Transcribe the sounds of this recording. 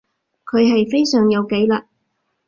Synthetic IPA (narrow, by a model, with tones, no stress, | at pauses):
kʰɵ˨˧ɥɦɐ˨jfe˥jsœː˨ŋjɐ˨˧wke˨˥jlaː˨˩t̚